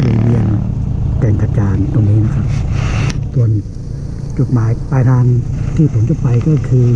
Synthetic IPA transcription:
liː˧˩bi˧ənt̪ɛː˧˩ŋt̪ʰa˧t͡ɕaː˧nt̪o˧ŋniː˦˥˩na˦˧˥kʰa˦˥p̚ | su˧ən | t͡ɕu˨˩t̪̚maː˨˦jpaː˧t̪ʰaː˧nt̪ʰiː˧˩p̪ʰuː˨˩˦t͡ɕa˧˩pa˧jkɔː˥˩kʰɯː˧

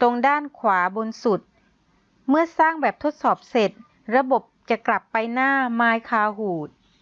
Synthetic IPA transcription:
t̪o˧ŋdaː˥˩nkʰwaː˩˦bo˧nsu˨˩t̪̚ | mɯ˥˩ɐsaː˥˩ŋbɛː˨˩p̚t̪ʰo˦˥t̪̚sɔː˨˩p̚se˨˩t̪̚ | ɾa˧bo˨˩p̚t͡ɕa˨˩kla˨˩pːa˧jnaː˥˩maː˧jkʰaː˧ɦuː˨˩t̪̚

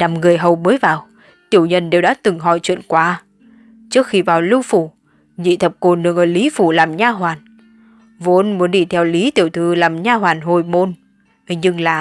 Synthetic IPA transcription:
na˨˩mŋɨ˨˩əjɦə˨˩wməː˨˦jvaː˨˩w | t̪i˧˩əwɲə˧nɗe˨˩wɗa̰ː˧˥t̪ɨ˨˩ŋɦɔ˧˩jt͡ɕwḭ˧˨ənkwaː˨˧˦ | t͡ɕɨ˦˥ək̚xi˧vaː˨˩wlɨ˧wfu˧˩ | ɲḭ˧˨t̪ʰə˨˩p̚ko˨˩nɗɨ˨˩əŋʔəː˧˩li˨˦fu˧˩laː˨˩mɲaː˧ɦwaː˨˩n | vo˨˦nmu˨˦ənɗi˧˩t̪ʰɛ˧wli˨˦t̪ḭ˧˩əwt̪ʰɨ˧˨laː˨˩mɲaː˧ɦwaː˨˩nɦo˨˩jmo˧n | ɲɨ˧ŋlaː˨˩

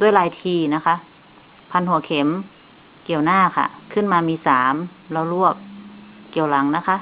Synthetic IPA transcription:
d̪u˧˩˨əjlaː˨˦jt̪ʰiː˧na˦˥kʰa˦˥ʔ | pʰa˧˥nɦu˨˦ɐkʰe˨˩˦m | ki˨˩əwnaː˥˩˨kʰa̰˧˩kʰɯ˥˩˨nmaː˧miː˧saː˩˦mlɛ˧˩wlu˥˩əp̚ki˨˩˦əwla˩˦ŋna˧˦˥kʰa˧˥

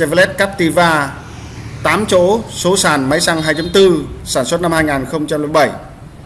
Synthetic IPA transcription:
ɛ˧˩vlɛ˦˥t̚kaː˦˥p̚t̪i˧vaː˧ | t̪aː˨˦mt͡ɕo̰˧˨˥so˨˦saː˧˩nma˨˦jsa˧ŋɦaː˧jt͡ɕa˨˦ŋ͡mt̪ɨ˧saː˧˩nswə˦˥t̚na˧mhaː˧jŋaː˨˩nxə˧wŋ͡mt͡ɕa˧mli˧˩ɓə˧˩j

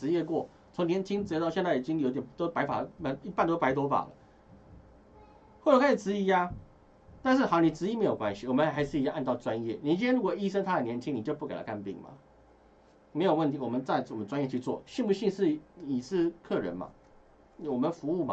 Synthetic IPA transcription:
ɻ̩˧˥jɛ˥˧kwɔ˥˩ | t͡sʰo˧˥ŋnjɛ˧˥nt͡ɕʰi˥ŋt͡s̩˧˥˧t̪ɑ˥˧ʊɕjɛ˥˧nt͡sa˥˩i˨˩t͡ɕi˦ŋjo˧˥t̪jt̪o˥ʊpa˧˥ɪfa̰˨˩ə˦ma˧i˥˩pa˥˧nt̪o˥pa˧˥ɪt̪wɔ˥fa̰˨˩lə̰˦ | xwɔ˥˩ʈ͡ʂə˨˧˥ka˥ʂi˨˩ʈ͡ʂɻ̩˧˥i˧˥ja˥ | t̪a˥˧nʂ̬ɻ̩˥˩xjni˨˩ʈ͡ʂɻ̩˧˥i˥˨me˧˥ɪjo˨˩kwa˦nɕi˨wɔ˨˩mə˦n˥˩a˧˥ɪʂɻ̩˥˨˩jʔa˥˧nt̪ɑ˥˩ʊʈ͡ʂwa˦njɛ̰˥˩ni˨˩t͡ɕi˧˥ntʰjɛ˥nɻu˥wɔ˨˩i˥ʂə˥ŋt̪ʰa˥d̪ə˨njɛ˧˥nt͡ɕʰi˥ŋni˨˩t͡ɕjo˥˧p̬u˥˩ke˨˩ɪlə̰˦kʰa˥˧npḭ˥˩ŋma̰˨˩ | me˧˥ɪjo˨˩ʊwə˥˩nt̪ʰi˧˦wɔ˨˩mə˦nt͡sa˥˩ɪwmə˦nt͡swa˥njɛ˥˧t͡ɕʰy˥˧t͡swɔ̰˥˩ɕi˥˧npu˥˧ɕi˥˧ŋʂɻ̩˥˩i˨˩ʂɻ̩˥˧kʰɤ˥˩ɻə̰˧˦nma̰˨˩ | wɔ˨˩mə˨˦nfu˧˥u˥˩ma̰˦

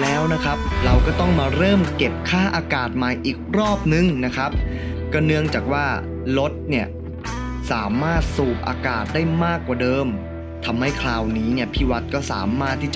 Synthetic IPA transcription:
lɛː˦˥wna˦˥kʰa˦˥p̚ɾa˧wkɔː˥˩t̪ɔ˥˩ŋmaː˧ɾɤː˥˩mke˨˩p̚kʰaː˥˩ʔaː˧kaː˨˩t̪̚ma˨˩jʔiː˨˩k̚ɾɔː˥˩p̚nɯ˨ŋna˦˥kʰɾa˦˥p̚ | kɔ˥˩nɯ˧˥əŋt͡ɕaː˨˩k̚waː˥˩ | lo˦˥t̪̚ni˥˩ɐ | saː˩˦maː˥˩t̪̚suː˨˩p̚ʔa̰ː˧kaː˨˩t̪̚daː˥˩jmaː˥˩kːwaː˨˩dɤː˧m | t̪ʰa˧mha˥˩jkʰlaː˧wniː˦˥ni˥˩ɐpʰiː˥˩wa˦˥t̪̚kɔː˥˩saː˩˦maː˥˩t̪ʰːiː˥˩t͡ɕ

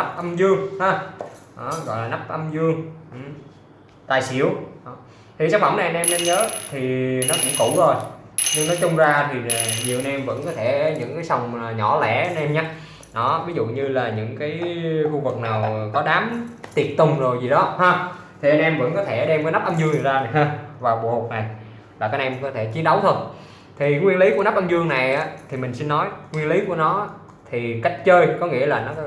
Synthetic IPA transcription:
na˦˥p̚ʔə˧mzɨ˧əŋhaː˨˧ɗɔ˨˦ɣɔ̰˧˨jlaː˨˩na˦˥p̚ʔə˧mzɨ˧əŋʔ | t̪aː˨˩jsḭ˧˩əwɗɔ˨˦ | t̪ʰi˨˩sa˦˥k̚fa˧˩wna˨˩˨ʔə˧nʔɛ˧mne˧mɲəː˨˦t̪ʰi˨˩nɔ˨˦kʊ̰˧˥ŋ͡mkṵ˧˩t̪ʰo˨˩jɲɨ˧ŋnɔ˨˦t͡ɕʊ˧ŋ͡mzaː˧t̪ʰi˨˩˨ɲi˨˩əwʔə˧nɛ˧mvə̰˧˥nkɔ˨˦t̪ʰɛ˧˩˨ɲɨ̰˧˥ŋkaː˨˦jsa˧wŋ͡mɲɔ˧˩lɛ̰˧˩ə˧nʔɛ˧mɲaː˦ | ɗɔ˨˦vi˨˦zṵ˧˨ɲɨ˧laː˨˩ɲɨ̰˧˥ŋkaː˨˦jxu˧vɨ˨˩k̚naː˨˩wkɔ˨˦ɗaː˨˦mt̪i˨˩ət̚t̪ʊ˨˩ŋ͡mzo˨˩jzi˨˩ɗɔ˨˦haː˧˩ | t̪ʰi˨˩ʔə˧nʔɛ˧mvə̰˧˥nkɔ˨˦t̪ʰe˧˩ɗɛ˧mvə˨˦na˦˥p̚ʔə˧mzɨ˧əŋzɨ˨˩zaː˧n˨˩jɦaː˧vaː˨˩ɓu˨˩ho˨˩k̚na˨˩j | laː˨˩kaː˦˥kʔɛ˧mkɔ˨˦t̪ʰe˧˩t͡ɕi˨˦ənɗə˨˦wt̪ʰo˧j | t̪ʰi˨˩ŋwi˧ənli˨˦ku˧˩əna˦˥p̚ʔə˧mzɨ˧əŋna˨˩jʔaː˨˦t̪ʰi˨˩mï˨˩ŋ̟si˧nːɔ˨˦jŋwi˧ənli˨˦ku˧˩ənɔ˨˦ | t̪ʰi˨˩ka˦˥jk̟̚t͡ɕəː˧jkɔ˨˦ŋḭ˧˥əlaː˨˩nɔ˨˦

